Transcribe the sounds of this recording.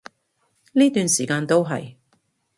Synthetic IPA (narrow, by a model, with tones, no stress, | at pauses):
niː˥t̪yː˨nsiː˨˩kaː˧nt̪o˥wɦɐ̰˨j